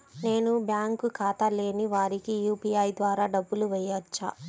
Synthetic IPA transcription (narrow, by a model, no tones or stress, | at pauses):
ne̞ːnubjaːŋkukaːt̪ɐle̞ːniʋaːɾikijuːpiɐjd̪ʋaːɾaːɖɐbːuluʋɛjːɐt͡ʃːa̰ː